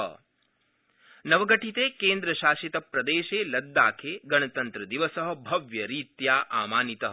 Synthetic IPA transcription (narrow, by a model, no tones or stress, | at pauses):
nɐʋɐɡɐʈʰit̪eːkeːnd̪ɾɐʃaːʃit̪ɐpɾɐd̪eːʃeːlɐd̪ːaːkʰeːɡɐɳɐt̪ɐnt̪ɾɐd̪iʋɐsɐɦɐ̆bʱɐʋjɐɾiːt̪jaːʔaːmaːnit̪ɐɦ